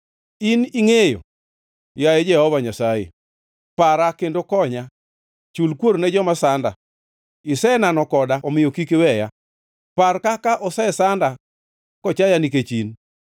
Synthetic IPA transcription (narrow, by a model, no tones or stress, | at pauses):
iniŋejo̰ | jajed͡ʒɛhɔvaɲasajḛ | paɾakendokɔɲa | t͡ʃulkwoɾnɛd͡ʒɔmasanda̰ | ɪsɛnanɔkɔdaɔmɪjokikewɛja | parkakaʔɔsɛsanda | kɔt͡ʃajaniket͡ʃin